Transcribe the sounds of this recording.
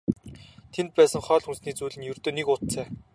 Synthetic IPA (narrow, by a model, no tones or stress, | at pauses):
t̪ʰent̪̚pæːsə̆ŋχœːɮxunsniːt͡suːɮɘ̆njɵrt̪oːnekʊt̪t͡sæː